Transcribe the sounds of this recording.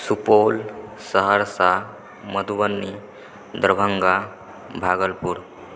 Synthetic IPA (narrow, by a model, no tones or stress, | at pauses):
supolsəɦəɾsa | məd̪ʱuʋənːi | d̪ɾəbʱəŋɡa | bʱaɡəlpuɾ